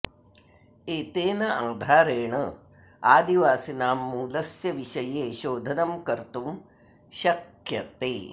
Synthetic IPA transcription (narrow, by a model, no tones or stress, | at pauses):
eːt̪eːnɐʔaːd̪ʱaːɾeːɳɐ | aːd̪iʋaːsinaːmːuːlɐsjɐʋiʃɐjeːʃoːd̪ʱɐnɐmkɐɾt̪um | ʃɐk | jɐt̪eː